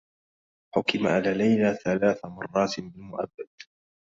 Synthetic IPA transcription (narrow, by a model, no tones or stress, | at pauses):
ħʊkɪmaʔanalajlaːθalaːθamɑrˤːɑːt̪bɪlmʊʔa̰bːad̪̥